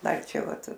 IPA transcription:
ˈdɐr ˈt͡ʃʲɛ ˈʋɐt

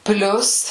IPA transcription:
ˈpʲlʲʊs

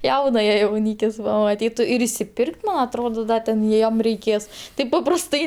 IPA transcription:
ˈjɛʊnɐjɛ jɛʊˈnʲiːkʲɪs pɐmɐˈtʲiːtʊ ɪr ɪʃʲsʲɪˈpʲɪrʲkʲtʲ mɐn ɐtˈroːdoː ˈdɐ tʲɛn ˈjiɛm rʲɛɪˈkʲeːs ˈtɐɪp pɐprɐsˈtɐɪ

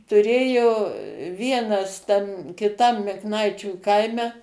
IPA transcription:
tʊˈrʲeːjoː ˈʋʲiɛnɐs tɐm kʲɪˈtɐm mʲɪkˈnɐɪt͡ʃʲuː ˈkɐɪmʲɛ

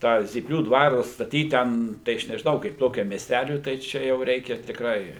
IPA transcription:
ˈtɑː zʲiːˈpʲlʲuː ˈdʋɑːrʊ ɐtstɐˈtʲiːt ˈtʲɛn tɐɪ ˈɐʃ nʲɛʒʲɪˈnɐʊ kɐɪp ˈtoːkʲɛm mʲiɛsʲˈtʲælʲʊɪ tɐɪ ˈt͡ʃʲɛ jɛʊ ˈrʲɛɪkʲɛ tʲɪkˈrɐɪ

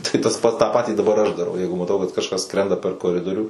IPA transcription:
tɐɪ tɐs ˈpɐts tɑː ˈpɑːtʲiː dɐˈbɐr ɐʃ dɐˈrɐʊ ˈjɛɪɡʊ mɐˈtɐʊ kɐt kɐʃˈkɐs ˈskrʲɛndɐ pʲɛr koːˈrʲɪdoːrʲuː

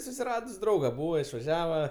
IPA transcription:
sʊsʲɪˈrɑːdʊs ˈdrɐʊɡɐ ˈbuːʋɐ ɪʃʋɐˈʒʲæːʋɐ

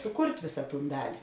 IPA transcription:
sʊˈkʊrʲtʲ ˈʋʲɪsɐ ˈtuːn ˈdɑːlʲɪ

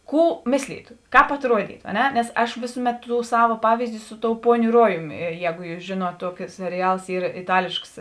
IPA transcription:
ˈkuː ˈmʲɪsʲlʲiːtʊ ˈkɑːp ɐtˈruɔdʲiːtʊ ɐ ˈnʲɛ nʲɛs ˈɐʃ ˈʋʲeːsʊˌmʲɛt ˈtuː ˈsɑːʋɐ ˈpɑːʋʲiːzʲdʲɪ ˈsʊ ˈtoːʊ ˈpuɔnʲʊ ˈruɔjʊmʲɪ ˈjɛːɡʊ ˈjuːs ˈʒʲeːˌnuɔt ˈtuɔkʲɪ sʲɛrʲɪˈjɛlˠs ˈiːr ɪˈtɑːlʲeːʃks

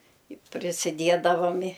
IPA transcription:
ɪ pʲrʲɪsʲɪˈdʲiɛdɐʋɐm ɪ

